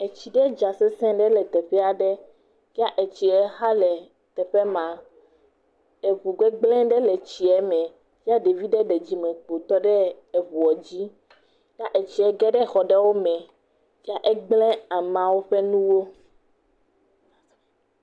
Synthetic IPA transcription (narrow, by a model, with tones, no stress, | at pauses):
ɛ˨t͡ɕi˨ɖɛ˦d͡ʒa˨sɛ˦sɛ̃˦ɖɛ˦lɛ˨t̪ɛ˨ɸɛ˦a˨ɖɛ˦ | vi˦a˦ʔe˨t͡ɕi˨ɛ˦ɦa˦lɛ˨ | t̪ɛ˨ɸɛ˦mã˨ | ɛ˨βu˨ɡ͡bɛ˦ɡ͡blɛ̃˦ɖɛ˦lɛ˨t͡ɕi˨ɛ˦mɛ̃˨ | vi˦a˦ɖe˨vi˦ɖɛ˦ɖɛ˨d͡ʑi˦mɛ̃˨k͡po˨t̪ɔ˦ɖɛ˦ | ɛ˨βu˨ɔ˨d͡ʑi˦ | ja˦ʔe˨t͡ɕi˨ɛ˦ɡɛ˦ɖɛ˦xɔ˨ɖɛ˦wo˦mɛ̃˨ | vi˦a˦ʔɛ˦ɡ͡blɛ̃˦a˨mã˨wo˦ɸɛ˦nũ˦wo˦